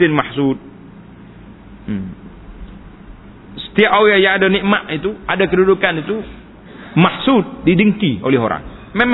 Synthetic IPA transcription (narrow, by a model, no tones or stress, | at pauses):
ɪnmahsut̪̚ | m | sə̥t̪iaʔowajaŋadaniʔma̰ʔit̪uadakədudukanit̪u | mahsut̪̚didiŋkiolɛɦo̰ɾa̰ŋ | mem